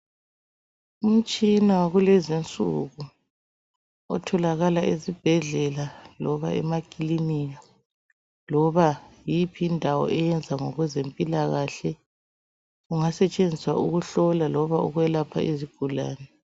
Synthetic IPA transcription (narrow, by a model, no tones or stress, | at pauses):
um̩t͡ʃʼinawaɣulezint͡sʼṵɣu | ɔ̰tʰɔlaɣalaʔezib̥ʱɛɮɛlalɔβa̰ɛ̰makʼilinia | lɔβajipʰiːndʱawɔ̰ʔɛjɛnd͡zʱaŋɔɣwɛzempʼilaɣaɬɛ | uŋasɛt͡ʃʼend͡zʱiswa̰ʔuɣuɬɔlalɔβaɔ̰ɣwɛlapʰa̰ʔiziɡ̥ʱula̰ːnɛ